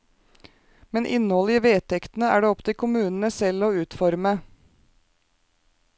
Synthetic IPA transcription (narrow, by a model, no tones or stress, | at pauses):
mɛnʔɪ̰nhɔləiːʋeːt̪ʰɛkt̪n̩əæ̰ːɖeːɔpt̪ʰɪlkʰʊmʉːnn̩əsɛloːʉːt̪fɔɾmə